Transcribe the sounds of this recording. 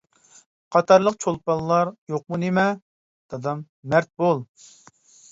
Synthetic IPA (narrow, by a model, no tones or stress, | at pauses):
qʰɑt̪ɑɾlˠəqt͡ʃʰolˠpɑlˠlːˠɑɾjoq̚munemɛ | d̪̥ɑd̪ɑmː | ɛɾt̪̚bolˠ